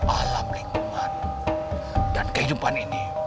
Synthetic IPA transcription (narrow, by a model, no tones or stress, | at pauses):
ʔalamliŋkuman | dankəhidupanini